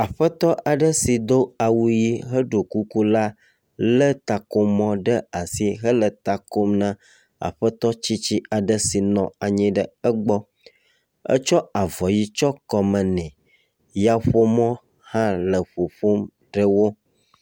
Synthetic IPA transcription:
a˨ɸə˦t̪ɔ˦ʔa˨ɖə˦si˨d̪o˦a˨wu˦ji˦ɦə˦ɖo˨ku˦ku˦la˦ | lə˦t̪a˨ko˦mɔ̃˦ɖə˦a˨si˦ɦə˦lə˨t̪a˨ko˦mnã˦ | a̰˨ɸə˦t̪ɔ˦t͡ɕi˦t͡ɕi˦a˨ɖə˦si˨nɔ̃˨a˨ɲĩ˦ɖə˨ə˦ɡ͡bɔ˦ | ə̰˦t͡ʃɔ˦a˨vɔ˨ji˦t͡ʃɔ˦kɔ˨mə̃˨nɛ̃˨ | ja˦ɸo˦mɔ̃˦ | hã˦lə˨ɸo˨ɸo˦m | ɖə˦wo˦

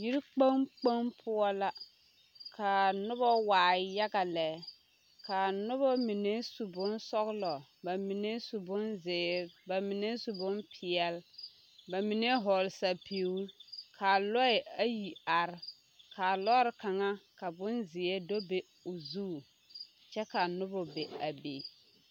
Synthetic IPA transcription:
ji˦ɾi˦k͡pa˦ŋk͡pa˦mpʰʊ˦ɔ˦la˦ | kʰa˨nʊ˦bɔ˦waː˨ja˦ɡa˨lɛ˨ | ka˨nʊ˦bɔ˦mi˨ne˦su˨bʊ˦nsɔ˦ɣlɔ˨ba˨mi˨ne˦su˨bʊ˦nzɪ˨ba˨mi˨ne˦su˨bʊ˦npʰɪ˨ɛ˨l | ba˨mi˨ne˦ɦɔ˨lsa˨pʰi˨˦kʰa˨lɔ˦ɪ˨a˦ji˨a˨ɾɪ˨˦ | ka˨lɔ˦ɾɪ˨ka˨ŋa˦ka˨bʊ˦nzɪ˨e˦do˦be˨ | ʊ˨zuː˦˨ | t͡ʃɛ˦ka˨nʊ˦bɔ˨be˨a˨be˨

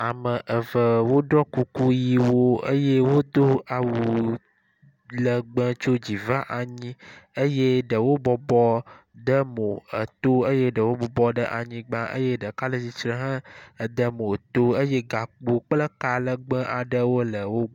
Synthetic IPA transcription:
a˨mə˨ʔə˨və˨wo˦ɖɔ˦ku˦ku˦ji˦wo˦ə˦je˦wo˦d̪o˦a˨wu˨ | lə˨ɡ͡bə˦t͡ʃo˦d͡ʑi˨va˦ʔa˨ɲĩ˦ə˦je˦ɖə˨wo˦bɔ˨bɔ˦ | d̪ə˦mõ˨ə̰˨t̪o˦ə˦je˦ɖə˨wo˦bɔ˨bɔ˦ɖə˦ʔa˨ɲĩ˦ɡ͡bã˦ʔə̰˦je˦ɖə˨ka˦lə˦d͡ʑi˦t͡ʃɾə̃˦ɦə̃˦ə˨d̪ə˦mõ˨t̪o˦ə˦je˦ɡa˨k͡po˨k͡plə˦ka˦lə˨ɡ͡bə̃˦ʔa˨ɖə˦wo˦lə˨wo˦

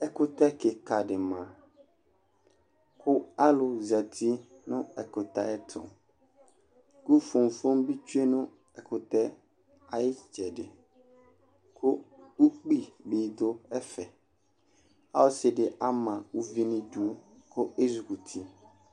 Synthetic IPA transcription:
ɛ˦kʊ˦t̪a˦ke˨ka˨ɖɪ˨mã˨ | kʰʊ˦a˦lʊ˨za˨t̪ʰi˦ | nʊ̃˦ɛ˨kʊ˨t̪a̰˦ɛ˦t̪ʰʊ̰̃˨ | ku˦fo˨m˨fo˦mbi˦t͡ʃu˦e˦nʊ̃˦ | ɛ˨kʰʊ˨t̪ɛ˦ | a˨jɪ˦t͡ʃɛ˨ɖɪ˨ | kʰʊ˦ | u˦k͡pi˦bi˨d̪o˦ɛ˦fɛ˨ | a˦wo˦sɪ˨ɖɪ˨ʔa˦mã˨u˦vi˦nĩ˦du˦ | kʊ˦e˦zu˨ku˨t̪ʰi˦

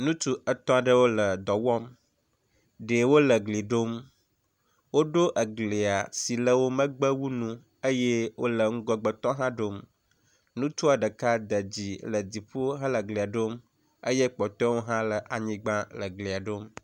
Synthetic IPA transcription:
nũ˦t̪u˦ə˨t̪ɔ̃˦a˨ɖə˦wo˦lə˨d̪ɔ˨wɔ˦m | ɖe˨wo˦lə˨ɡli˨ɖo˦m | wo˦ɖo˦ʔə˨ɡle˨a˨si˨lə˦wo˦mə̃˦ɡ͡bə˦wu˦nũ˦ | ə˦je˦wo̰˦lə˨ŋ̩˦ɡɔ˨ɡ͡bɔ˨t̪ɔ̃˦ɦã˦ɖo˦m | nũ˦t̪u˦a˨ɖə˨ka˦d̪ə˨d͡ʑi˨lə˨d̪i˨ɸo˦ɦã˦lə˨ɡle˨a˨ɖo˦m | ə̰˦je˦k͡pɔ˨t̪ɔ̃˦wo˦ɦã˦lə˨ʔa˨ɲĩ˦ɡ͡bã˦lə˨ɡle˨a˨ɖo˦m

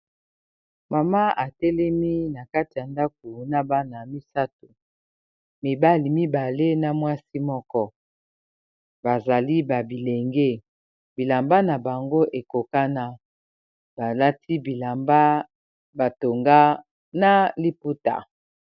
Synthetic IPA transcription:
ma˨ma˦ʔa˨tɛ˦lɛ˦mi˦na˨ka˦ti˨ja˨nda˦k̚o˨na˨ba˦na˨mi˦sa˦to˨ | mi˨ba˦li˨mi˦ba˨le˦na˨mwa˦si˦mɔ˦kɔ˦ | ba˨za˨li˦ba˨bi˨le˨ŋɡe˦ | bi˨la˨mba˦na˨ba˨ŋɡo˦ʔe˨ko˨ka˦na˦ | ba˨la˦tʰi˦bi˨la˨mba˦ | ba˨to˨ŋɡa˦ | na˨li˦pu˦ta̰˨

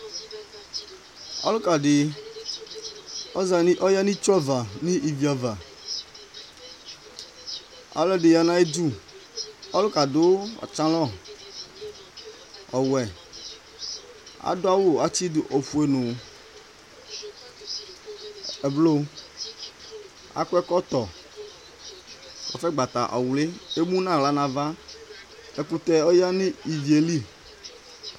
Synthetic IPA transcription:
ɔ̰˦lʊ˦ka˨dɪ˨ | ɔ˦za˨ni˦ʔɔ˦ja˦nĩ˦t͡ʃa˦va˨nĩ˦ʔi˨vi˨a˨va˨ | ɔ̰˨lɔ˦dɪ˨ja˨nã˦e˦d͡ʒu˦ | ɔ˦lʊ˦ka˨dʊ˦ɔ̰˨t͡ʃã˦lɔ˦˨ | ɔ˨wɛ˨ | a̰˦do˦a˦wo˦a˦t͡ɕi˦du˨ʔo˨fu˨e˨nõ˨ | e˨blo˦ | a̰˦kɛ˦kɔ˦t̪ɔ˨ | kɔ̰˨fɛ˦ɡ͡ba˨t̪a˨ʔa̰˨wu˨le˦e˦mũ˦nã˦˨la˦nã˨va˦ | e˨ku˨t̪ɛ˦o˦ja˦nĩ˦i˨vi˨e˨li˦

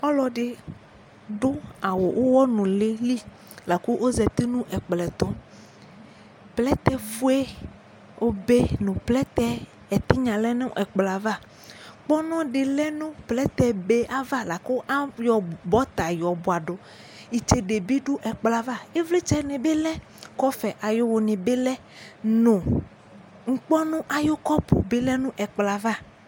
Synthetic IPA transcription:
ɔ˦lɔ˨ɖɪ˨ | ɖo˦a˨wo˨wʔo˦wɔ˦nũ˨le˦li˦ | la˨ku˦ʔo˦zɛ˨t̪i˦nũ˦ʔɛ˨k͡plɛ˨t̪ɔ˦ | plɛ˦t̪ɛ˦fu˦e˦ | wʔo˦be˦nũ˨plɛ˦t̪ɛ˦ | ɛ˨t̪i˦ɲã˨lɛ˦nẽ˦ɛ˨k͡pla˨va˦ | k͡pɔ˦nɔ̃˦ɖɪ˨lɛ˦nũ˦plɛ˦t̪ɛ˦be˦a˦va˦la˨ko˦ʔa˦jɔ˨bɔ˦t̪a˨jɔ˨bo˨a˨ɖo˨ | i˨t͡ʃe˨ɖe˨bi˦ɖo˦ʔɛ˨k͡pla˨va˦e˦vle˦t͡ʃɛ˦nẽ˨be˦lɛ˦ | kɔ˦fɛ˨ʔa˨jo˦wo˨nẽ˨be˦lɛ˦ | nõ˨ | ŋ̩˦k͡pɔ˦nũ˦ʔa˨jo˦kɔ˦po̰˨be˦lɛ˦nũ˦ʔɛ˨k͡pla˨va˦˨

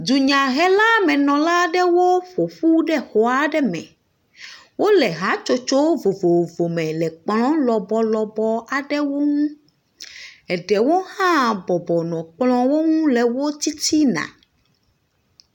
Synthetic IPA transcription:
d̪u˨ɲã˨ɦɛ˦la˦mɛ̃˨nɔ̃˨la˦ɖɛ˦wo˦ɸo˨ɸu˦ɖɛ˦xɔ˨a˦ɖɛ˦mɛ̰̃˨ | wo˦lɛ˨ɦa˦t͡ʃo˦t͡ʃo˦vo˨vo˨vo˨mɛ̃˨lɛ˨k͡plɔ̃˦lɔ˨bɔ˨lɔ˨bɔ˦a˨ɖɛ˦wo˦ŋũ˦ | ɛ˨ɖɛ˨wo˦hã˦bɔ˨bɔ˨nɔ̃˨k͡plɔ̃˦wo˦ŋũ˦lɛ˨wo˦t̪i˦t̪i˦nã̰˨

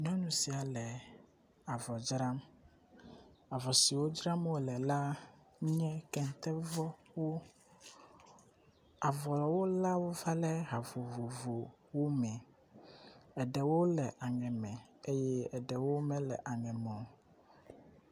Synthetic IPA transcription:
ɲɔ̃˦nũ˨si˨a˨lɛ˨ | a˨vɔ˨d͡ʒɾa˦m | a˨vɔ˨si˨wo˦d͡ʒɾa˦mwo˦lɛ˨la˦ | ɲɛ̃˦kɛ˨n˨t̪ɛ˦vɔ˦wo˦ | a˨vɔ˨lɔ˨wo˦la˦wo˦va˦lɛ˦ɦa˨vo˨vo˨vo˨ | wo˦mɛ̃˨ | ɛ˨ɖɛ˨wo˦lɛ˨ʔa˨ŋɛ̃˨mɛ̃˨e˦jɛ˦ɛ˨ɖɛ˨wo˦mɛ̃˦lɛ̰˨ʔa˨ŋɛ̃˨mɔ̃˨

